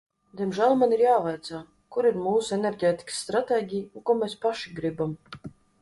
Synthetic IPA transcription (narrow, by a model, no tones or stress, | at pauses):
d̪ʲiɛmʒæːlˠmaniɾjaːvajt̪saː | kuɾiɾmuːsueneɾɡʲeːt̪ʲi̥ksːt̪ɾat̪eːɡʲijunkuɔmʲespaʃiɡɾibam